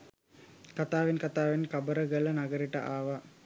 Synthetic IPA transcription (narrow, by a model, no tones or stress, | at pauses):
kat̪aːʋenkat̪aːʋenkabəɾəɡələnaɡəɾiʈəʔaːʋa